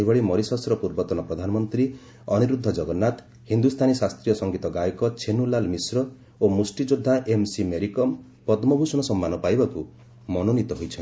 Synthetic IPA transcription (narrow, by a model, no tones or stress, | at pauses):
ibɔɭimɔɾisɔsɾɔpuɾbɔt̪ɔnɔpɾɔd̪ʱanɔmɔnt̪ɾi | ɔniɾud̪ʱːɔd͡ʒɔɡɔnːat̪ | hind̪ust̪ʰanisast̪ɾijɔsɔŋɡit̪ɔɡajɔkɔt͡ʃʰenulalmisɾɔ | omusʈid͡ʒod̪ʱːaʔemsimeɾikɔm | pɔt̪mɔbʱusɔɽ̃ɔsɔmːanɔpajbaku | mɔnonit̪ɔɦojt͡ʃʰɔn